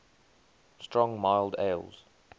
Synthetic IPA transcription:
stɹ̥ɔ̃ŋmaɪlˠdḛɪlˠz̥

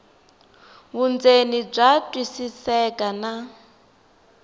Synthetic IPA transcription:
βund͡zenib͡ʐatʼwisisɛkʼana

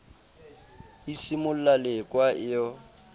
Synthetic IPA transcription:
isimʊl̩lalɪkʼwaʔɪjɔ

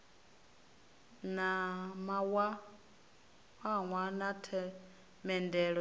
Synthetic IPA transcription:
namawa | waŋwanatʰɛ | mɛndɛɺɔ

